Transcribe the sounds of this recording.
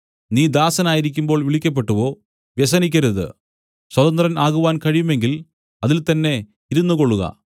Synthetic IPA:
niːd̪aːsɐnaːjiɾikʲːumbo̞ːɭʋiɭikʲːɐp̬ːe̞ʈːuʋo̞ː | ʋjes̬ɐnikʲːɐɾuðɨ̰ | swɐd̪ɐnd̪rɐnaːɣuʋaːnkɐɻijume̞ŋɡil | ɐðilt̪ɐnːe̞ | iɾunːuko̞ɭːuɣɐ̰

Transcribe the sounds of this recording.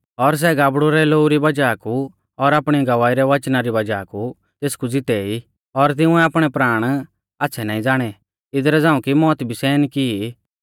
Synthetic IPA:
ɔɾs̬ɛɡaːbɽuɾɛloːuɾibɐd͡ʒaku | ɔɾaːpɽ̃iɡɐʋaːiɾɛʋɐt͡ʃnaɾibɐd͡ʒaku | t̪eːskud͡zɪt̪ɛi | ɔɾt̪̬ɪ̃ũɛaːpɽ̃ɛpɾaːɽ̃ | aːtːsʰɛnaːĩd͡zaːɽ̃ɛ | ɪd̪ɾɛd͡zaːũkimɔːt̪bʱisɛːnkii

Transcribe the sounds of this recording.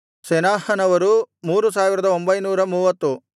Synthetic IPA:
sɛnaːhɐnɐʋɐɾumuːɾus̬aːʋiɾɐd̪ɐo̞mbɐjnuːɾɐmuːʋɐt̪ːu

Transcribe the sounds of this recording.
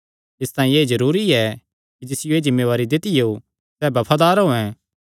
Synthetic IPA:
ɪst̪ãːĩeːzɐɾuːɾiɛ | kid͡ʒɪsɪjoeːd͡ʒɪmːeːʋaːɾid̪ɪt̪ɪjo | sɛbɐpʰaːd̪aːɾɦoːɛ̃

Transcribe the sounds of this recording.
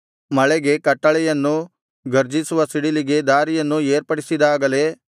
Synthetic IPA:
mɐɭɛɡe̞kɐʈːɐɭɛjɐnːu | ɡɐɾd͡ʒisuʋɐsiɽiliɡe̞d̪aːɾijɐnːueːɾpɐɽisid̪aːɡɐle̞

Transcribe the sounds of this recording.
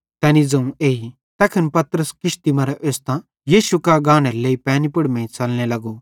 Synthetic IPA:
t̪ɛːnid͡zɐ̃ũeːɦi | t̪ɛːkʰənpɐt̪ɾəskɪʃt̪imɐɾɛʔeːst̪ã | jiːʃukaɡãːñɛɾleːipɛ̃ːnipʊɽmɛ̃ĩt͡sɐlñelɐɡo

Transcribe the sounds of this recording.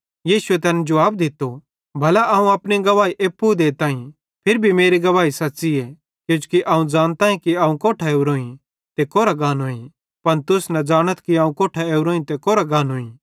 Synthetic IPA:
jiːsʊet̪ɛːnɛd͡ʒʊʋaːb̚d̪ɪt̪ːo | bʱɐlaʔaũɐpɽ̃iɡɐʋaːiʔeːpːud̪eːt̪ãːĩ | pʰɪɾbʱimeːɾiɡɐʋaːisɐtːsiɛ | kjũd͡ʒkiʔaːũd͡ʒaːñt̪aːĩkiaːũkoːʈʰaeːuɾoːĩ | t̪ekoːɾaɡaːnɦoːĩ | pɐnt̪ʊsnɐd͡ʒaːɽ̃ət̪kiaːũkoːʈʰaeːuɾoːĩt̪ekoːɾaɡaːnɦoːĩ

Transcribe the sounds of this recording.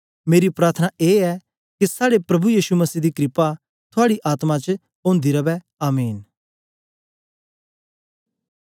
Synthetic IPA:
meːɾipɾaːɾt̪ʰənaʔeːɛ | kisaːɽepɾɐbujiːʃumɐsiːd̪ikɾɪpa | t̪ʰʊaːɽiʔaːt̪mãt͡ʃ | õːnd̪iɾɐbɛ | aːmiːn

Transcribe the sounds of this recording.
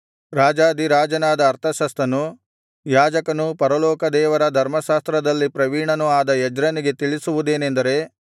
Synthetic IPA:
ɾaːd͡ʒaːd̪iɾaːd͡ʒɐnaːd̪ɐːɾt̪ʰɐʃɐst̪ɐnu | jaːd͡ʒɐkɐnupɐɾɐlɔːkɐd̪ɛːʋɐɾɐd̪ʱɐɾmɐʃaːst̪ɾɐd̪ɐlːipɾɐʋiːɳɐnuaːd̪ɐjɛd͡ʒɾɐniɡe̞t̪iɭisuʋud̪eːnend̪ɐɾe̞

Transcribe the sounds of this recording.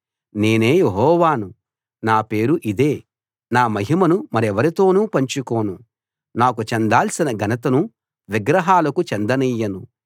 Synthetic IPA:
ne̞ːne̞ːjeɦɔːʋaːnu | naːpe̞ːɾuʔid̪e̞ː | naːmɐɦimɐnumɐɾiɛʋɐɾit̪o̞ːnuːpɐɲt͡ʃukoːnu | naːkut͡ʃɛnd̪aːlsinɐɡʱɐnɐt̪ɐnu | ʋiɡɾɐɦaːlɐkut͡ʃɛnd̪ɐnijːɐnu

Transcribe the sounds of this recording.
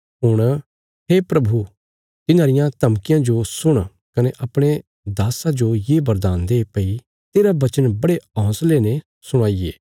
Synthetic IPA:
ɦʊɽ̃ | ɦeːpɾɐbʱu | t̪ɪnãːɾɪjãt̪ɐmkɪjãd͡ʒosʊɽ̃ | kɐneʔɐpɽ̃e | d̪aːsãd͡ʒojeːbɐɾd̪aːnd̪epɐi | t̪eːɾabɐt͡ʃənbɐɽeɔ̃ːsleːne | sʊɽ̃aːieː

